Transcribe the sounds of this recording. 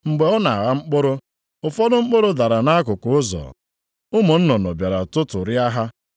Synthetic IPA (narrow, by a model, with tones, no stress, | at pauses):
ŋ͡m̩˨ɡ͡be˨ɔ˦na˨a˨ɣa˦ŋ͡m̩˦k͡pʊ˦ɾʊ˦ | ʊ˨fɔ˦dʊ˦ŋ͡m̩˦k͡pʊ˦ɾʊ˦da˨ɾa˨na˦kʊ˨kʊ˨˦ʊ˦zɔ̰˨ | ʊ˦mʊ˨n̩˦nɔ˨nɔ̰˨bja˨ɾa˨tʊ˦tʊ˨ɾɪ˦a˦ɦa˦